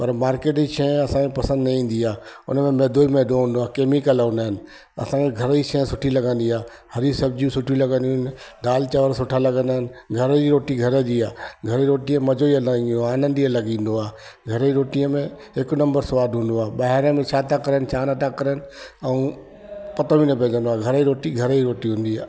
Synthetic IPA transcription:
pɐɾmaːɾkeːʈd͡ʑiʃʰẽɐsãkʰẽpɐsə̃nd̪nɐĩːn̆d̪iaːʊ̰nəmẽmeːd̪ʱoimeːɗ̪oũnd̪oaːkeːmikələʊnaːɦɪnɪ̆ | ɐ̰sãkʰeɡʱɐɾəiʃʰɛ̃ːsʊʈʰilɐɡə̃nd̪iaː | hɐɾisɐbd͡ʑiũsʊʈʰilɐɡə̃nd̪iɪn̆ɖaːlt͡ɕɐʋəɾsʊʈʰalɐɡə̃nd̪aːɦɪnɪ̆ɡʱɐɾd͡ʑiːɾoːʈiɡʱɐɾəd͡ʑiːaːɡʱɐɾiɾoːʈiə̃mɐd͡ʑoiəloaːnə̃nd̪iəlɐɡĩːnd̪oaː | ɡʱɐɾəiɾoːʈijəmẽ | ɦɪknɐ̃mbəɾsʊʋaːd̪ɦũːnd̪oaːɓaːɦɾəmẽt͡ʃʰaːt̪akɐɾənɪt͡ʃʰaːnɐt̪akɐɾənɪ̆ɛũ | pɐt̪əʋĩnɐpẽːd͡ʑə̃nd̪oaːɡʱɐɾəiɾoːʈiɡʱɐɾiɾoːʈiɦũːn̆d̪iaː

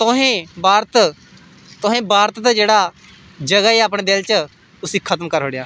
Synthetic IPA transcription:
t̪ʊɦẽːbaːɾt̪ | t̪ʊɦẽːbaːɾt̪t̪ad͡ʒeːɽaː | d͡ʒəɡaːiːaːpɳẽːd̪ɪlt͡ʃə | ʊsiːkʰət̪mkəɾɦoːɽejaː

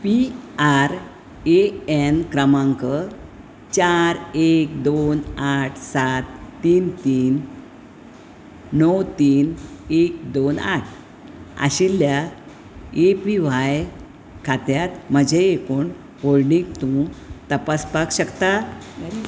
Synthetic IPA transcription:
piaɾ | eenkɾəmãŋkə | t͡ɕaɾek̚d̪onaʈʰsat̪ːiːnt̪iːn | əwt̪iːnek̚d̪ona̰ʈʰ | a̰ɕilja | epiʋaj | kʰat̪jat̪m̤əd͡ʑʱeːkoːɳ | bolnĩk̚t̪ũt̪əpaspakɕəkt̪a

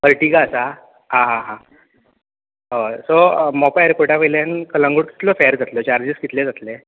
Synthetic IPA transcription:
pəɾʈiɡaəsa | ɦãɦãɦã | ɦosɔmɔpajɾkoʈaʋəjljãnkəlãŋɡuɽki̥t̪lɔfɛəɾd͡zat̪lɔt͡ɕaɾd͡ʑiskit̪led͡zat̪le

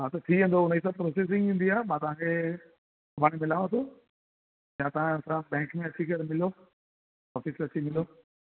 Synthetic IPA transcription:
ɦat̪ɐt̪ʰiə̃nd̪oʊnəis̬ãpɾoːseːs̬ɪ̃ŋɡĩːnd̪iaːɦemãːt̪ɐʋ̤ãkʰe | ɐbʱaːɽ̃imɪlaːʋõt̪ʰoː | jãt̪ɐãɐsãbɛ̃ːŋkmẽɐt͡ɕikəɾmɪlo | ɔːfisɾɐt͡ɕimɪlo

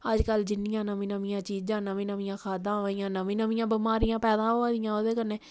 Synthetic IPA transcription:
əd͡ʒkəld͡ʒɪnːɪjãːnəmĩːnəmijãːt͡ʃiːd͡ʒãːnəmĩːnəʋĩjãːkʰaːd̪ãːʋijãːnəmĩːnəʋĩjãːbəmaːɾijãːpɛːd̪ãːaːd̪ijãːoːd̪eːkənːeː

